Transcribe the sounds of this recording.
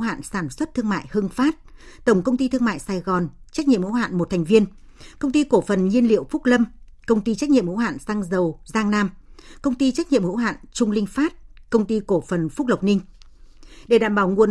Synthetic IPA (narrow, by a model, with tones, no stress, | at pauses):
ha̰ː˧˨nsaː˧˩nswə˦˥t̚t̪ʰɨ˧əŋma̰ː˧˨jhɨ˧ŋfaː˦˥t̚ | t̪ə˧˩wŋ͡mkə˧wŋ͡mt̪i˧t̪ɨ˧əŋma̰ː˧˨jsaː˧˩jɣɔ˨˩nt͡ɕk̚ɲḭ˧əmhṵ˧˥ha̰ː˧˨nmo˨˩t̪̚ʰjŋ̟vi˧ən | kə˧wŋ͡mt̪i˧ko˧˩fə˨˩nɲi˧ənlḭ˧˨əwfʊ˦˥k̚lə˧m | kə˧wŋ͡mt̪i˧t͡ɕa˦˥k̚ɲḭ˧əmhṵ˧˥ɦa̰ː˧˨nsaː˧ŋzə˨˩wzaː˧ŋnaː˧mkə˧wŋ͡mt̪i˧t͡ɕa˦˥k̚ɲḭ˧˨əmhṵ˧˥ɦa̰ː˧˨nt͡ɕʊ˧ŋ͡mlï˧ŋ̟faː˦˥t̚kə˧wŋ͡mt̪i˧ko˧˩fə˨˩nfʊ˦˥k̚lə˨˩wk͡p̚nï˧ŋ̟ | ɗe˧˩ɗaː˧˨mɓaː˧˩wŋu˨˩ə